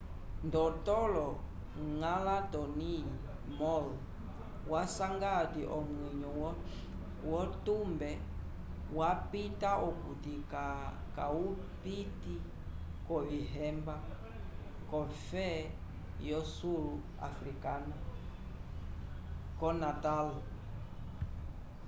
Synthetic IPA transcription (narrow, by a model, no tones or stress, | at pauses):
ndɔtɔlɔ | ŋalatɔni | mɔl | wasaŋɡadiʔɔmwɛɲɔw | wɔtumbɛ | wapitaʔɔkutikakau | piti | kɔʋiɦɛmba | kɔfɛ | jɔsulu | a̰fɾikana | kɔnatalɔ